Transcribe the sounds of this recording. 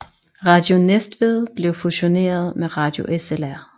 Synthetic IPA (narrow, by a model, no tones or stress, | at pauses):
ʁɑ̈d̥jo̝nesd̥ʋe̝ðˠb̥le̝ʊfuɕo̝ne̝̰ːɐð̞ˠmeʁɑ̈ːd̥jo̝ʔeselæɐ̰